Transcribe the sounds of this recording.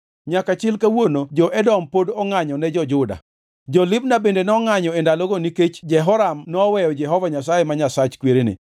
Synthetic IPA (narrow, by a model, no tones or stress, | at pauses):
ɲakat͡ʃɪlkawonod͡ʒɔʔɛdɔmpodɔŋaɲɔnɛd͡ʒɔd͡ʒʊda̰ | d͡ʒɔlɪbnabendenɔŋaɲɔendalɔɡoniket͡ʃd͡ʒɛɦɔɾamnɔːwɛjɔd͡ʒɛɦɔvaɲasajemaɲasat͡ʃkweɾenɪ̰